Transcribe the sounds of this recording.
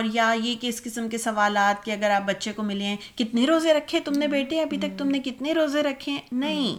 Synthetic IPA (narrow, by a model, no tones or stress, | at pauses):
ɔːɾjajekeɪɪskɪsəmkesɐʋaːlaːt̪̚keɐɡəɾaːp̚bɐtːʃekomɪlẽkɪt̪neɾoːzeɾɐkʰːẽt̪ʊmnebeːʈẽɐbʱit̪ɐk̚t̪ʊmnekɪt̪neɾoːzeɾɐkʰːẽnɐɦĩː